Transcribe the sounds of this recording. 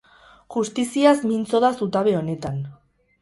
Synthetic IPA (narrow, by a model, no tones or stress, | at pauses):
ʝust̪isiasmint͡so̞ðasut̪aβe̞o̞ne̞t̪an